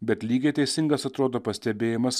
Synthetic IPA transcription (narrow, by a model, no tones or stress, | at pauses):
bʲɛt̪lʲiːɡʲeːt̪ʲɛɪsʲɪŋɡɐsɐt̪ɾoːd̪oːpɐsʲt̪ʲɛbʲeːjɪmɐs